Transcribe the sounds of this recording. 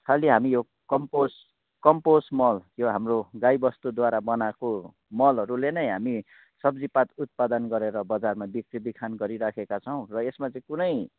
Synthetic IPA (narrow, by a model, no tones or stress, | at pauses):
kʰaliɦamijo | kʌmpos | kʌmposmʌljoɦamroɡajbʌst̪ud̪waɾabʌnako | mʌlɦʌɾulenʌjɦami | sʌbd͡zipat̪ut̪̚pad̪ʌnɡʌɾeɾʌbʌd͡zarmabik̚ribikʰanɡʌɾiɾakʰekat͡sʰʌw̃rʌesmat͡sãĩkunʌj